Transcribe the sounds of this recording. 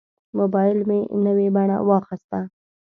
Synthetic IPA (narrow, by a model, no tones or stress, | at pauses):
mobɑjɪlmenəwebaɳ̃a̰wɑxɪst̪a